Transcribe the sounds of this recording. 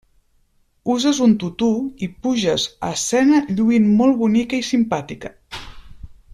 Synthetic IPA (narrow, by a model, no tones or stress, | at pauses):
uzəzunt̪ut̪uipuʒəzə̰sɛnəʎuinmolˠβunikəisimpat̪ikə